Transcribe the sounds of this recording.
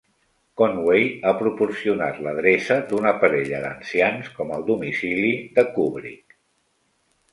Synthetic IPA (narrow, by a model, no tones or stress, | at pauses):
konwejapɾupursiuna̰t̪ləð̞ɾesəd̪unəpəɾɛʎəðə̰nsianskɔməlˠd̪umisiliðəkuβɾḭk